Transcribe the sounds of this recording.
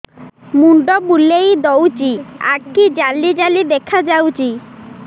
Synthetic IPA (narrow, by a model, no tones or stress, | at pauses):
muɳɖɔbulejd̪ɔwt͡ʃia̰kːid͡ʒalid͡ʒalid̪ekʰad͡ʒawt͡ʃi